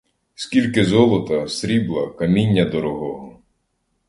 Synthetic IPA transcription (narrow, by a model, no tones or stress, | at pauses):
skʲilʲkɪzɔlˠɔt̪ɐsɾʲiblˠɐ̰kɐmʲinʲːɐd̪ɔɾɔɦɔɦɔ